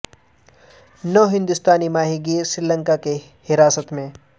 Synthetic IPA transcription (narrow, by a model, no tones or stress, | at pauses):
nəɦɪ̃nd̪ʊst̪aːnimaːɦiɡiːsɾɪlə̃ŋkake | hɪɾaːsət̪mẽ